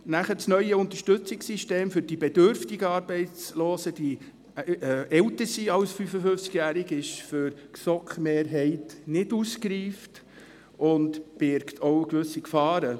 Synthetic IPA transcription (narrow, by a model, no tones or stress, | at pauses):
næχət͡snœʏəʊnt̪ə̥ʃtɵt͡sɪksiʃteːmfʏɾd̥ibɛdʏɾftɪɡəɑːɾbɛɪt͡sloːsəd̥i | ʔɛwtəɾsiɑwsfyfəfʏft͡skjæːɾiɡɪʃføɾksɔkχmeːɾɦɛɪtnɪduskɾiːft | ʔʊntb̥ɪɾktʰɔʊkʋɵsːikfɑːɾə